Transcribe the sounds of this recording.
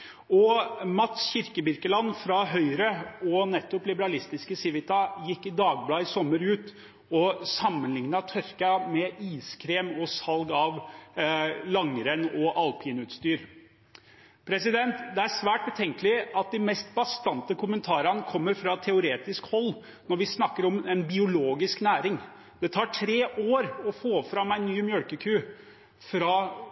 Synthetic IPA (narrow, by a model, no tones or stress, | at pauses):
ɔmɑt̪sçɪɾkəbɪɾkəlɑnfɾɑɦœʏɾəɔnɛt̪ːʊplɪbəɾɑlɪst̪ɪskəsɪʋɪt̪ɑjɪkːɪd̪ɑːɡ̚blɑːɪsɔmːəɾʉːt̪ | ɔsɑmːənlɪŋnɑt̪ʰœɾkɑmɛʔiːskʰɾeːmɔsɑlɡɑʋ | lɑŋəɾənɔʔɑlpʰiːnʉːt̪st̪yːɾ | pʰɾɛsɪd̪ɛnt̪d̪ɛæʂʋæːʈ̚bət̪ʰɛŋkəlɪɑt̪̚d̪ɪmɛst̪bɑst̪ɑnt̪əkʰʊmənt̪ʰɑːɾɑnəkʰɔmːəɾfɾɑt̪ʰɛʊɾeːt̪ɪskhɔlː | nɔɾʋɪsnɑkːəɾɔmɛnbɪʊloːɡɪsknæːɾɪŋ | d̪̥ɛt̪ʰɑːʈʰɾeːʔoːɾɔfoːfɾɑmæɪnnːyːmjœɽkəkʰʉː | fɾɑː